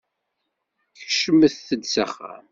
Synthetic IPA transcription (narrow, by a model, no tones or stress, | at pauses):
çəʃəmːəθθəd̪saχæ̰